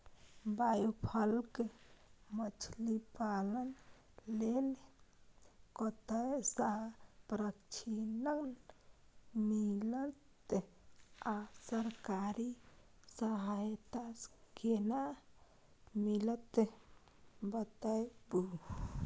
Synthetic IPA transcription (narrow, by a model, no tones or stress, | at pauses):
bajupʰəlk | mət͡ʃʰlipalən | lel | kɔt̪əjsapɾəkt͡ʃʰinən | milət̪ | asəɾkaɾisəɦajt̪askena | milət̪ | bət̪əjbu